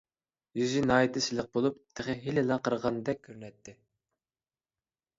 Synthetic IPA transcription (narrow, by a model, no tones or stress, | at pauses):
jyzynɑːit̪ʰɪsɪlɪq̚bolˠup̚t̪ʰɪχɪɦilɪlɑqʰəɾʁɑnd̪ɛk̚ʲʰːøɾnɛt̪ʰːɪ